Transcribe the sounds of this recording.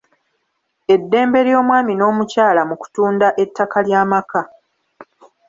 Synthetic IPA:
e̞dːe̞ːmbe̞ɾjo̞ːmwaːmino̞ːmucaːlamuku̥tuːndaʔe̞tːakaljaːmaka

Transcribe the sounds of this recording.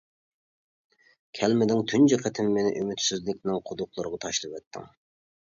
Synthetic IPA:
kʲʰɛlmɪd̪ɪŋt̪ʰynd͡ʒɪqʰət̪ʰɪmːenɪ̰ʔymyt̪syzlɪk̚ʲnɪŋqʰʊd̪ʊqlˠʊɾəʁɑt̪ʰɑʃlˠɨpɛt̪ʰːɪ̰ŋ

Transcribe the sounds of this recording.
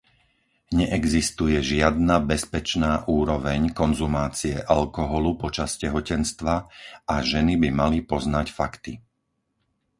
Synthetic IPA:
ɲɛʔɛɡzist̪ujɛʒɪad̪nabɛspɛt͡ʃnaːʔuːɾɔʋɛɲkɔnzumaːt͡siɛʔalkɔɦɔlupɔt͡ʃascɛɦɔcɛnst̪ʋaaʒɛnibimalipɔznacfakt̪i

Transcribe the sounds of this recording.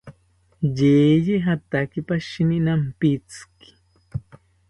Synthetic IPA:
jeːjeɦat̪akipaʃininampit͡ski̥

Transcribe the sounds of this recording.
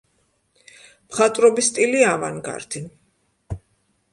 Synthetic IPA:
mχat̪ʼɾɔbist̪ʼiliava̰nɡa̰ɾt̪ʰin

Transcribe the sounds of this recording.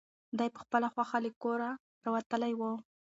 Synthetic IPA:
d̪ajpə̥xpəlaxwaxalekoɾa | ɾawat̪əlajwə

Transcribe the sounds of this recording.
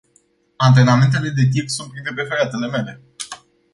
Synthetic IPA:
ant̪ɾe̞name̞nt̪e̞le̞d̪e̞t̪̬iksunt̪̚pɾint̪e̞p̬e̞feɾeat̪e̞le̞mele̞

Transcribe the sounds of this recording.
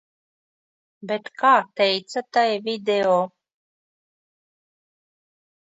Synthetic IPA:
bet̪kaːt̪ɛjt̪sat̪ajvid̪eoː

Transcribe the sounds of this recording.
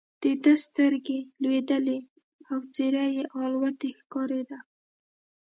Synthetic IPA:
d̪̥ed̪əst̪əɾɡelwed̪əle | awt͡seɾajeʔɑlwat̪exkɑɾed̪a

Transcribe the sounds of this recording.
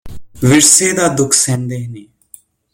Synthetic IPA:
ʋɪɽseːd̪aːd̪ʊkʰsɛ̃ːnd̪eːɦneː

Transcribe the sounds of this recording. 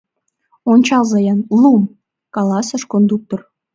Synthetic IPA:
onʲt͡ɕɑlzɑjɑnlum | kɑlɑsə̆ʃkond̪uk̚t̪or

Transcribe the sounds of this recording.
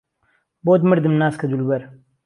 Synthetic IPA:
boːd̪məɾd̪ɨmnaːskad̪ulbɐɾ

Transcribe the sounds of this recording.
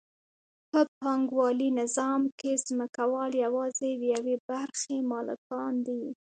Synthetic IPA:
pəpɑŋɡwɑlinɪzɑmkez̥məkawɑljawɑzed̪jawebaɾxemɑlɪ̰kɑnd̪i

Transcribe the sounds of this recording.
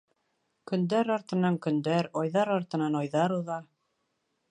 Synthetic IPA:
kɵ̆nd̪æɾɑɾt̪ɤ̆nɑŋkɵ̆nd̪æɾɒjðɑɾɑɾt̪ɤ̆nɑnɑjðɑɾuðɑ

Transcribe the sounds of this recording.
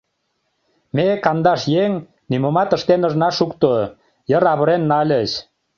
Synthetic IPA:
mekɑnd̪ɑʃjeŋ | nymomɑt̪ə̆ʃt̪enə̆ʒnɑʃukt̪o | jəɾɑβə̆ɾenːɑlʲət͡ɕ

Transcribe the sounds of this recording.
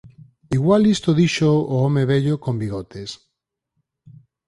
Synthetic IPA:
iɣwalist̪oðiʃoːomeβeʎokombiɣot̪es

